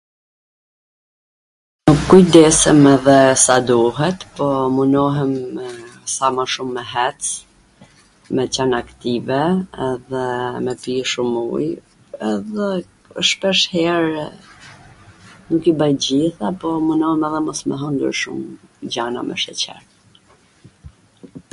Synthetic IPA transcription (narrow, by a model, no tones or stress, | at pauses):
nəkujd̪ɛsɛmɛðɛsad̪uɦɛt̪pɔmunɔɦɛmɛsamaʃumːɛɦɛt͡s | mɛt͡ɕanakt̪ivɛɛðɛmɛpiʃumṵj | ɛðɛ | ʃpɛʃhɛɾ | nukibajɟiθapɔmunɔhɛmɛðɛmɔsmɛ̰ɦɔnd̪əɾʃṵmɟana̰mɛ̰ʃɛt͡ɕɛ̰ɾ